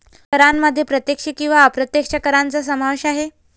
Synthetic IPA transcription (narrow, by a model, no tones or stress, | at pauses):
kəɾamːəd̪ʱːjepɾət̪jekʂəkĩw̃ʋaːpɾət̪jekʂəkəɾant͡səs̬əmaʋeɕaɦe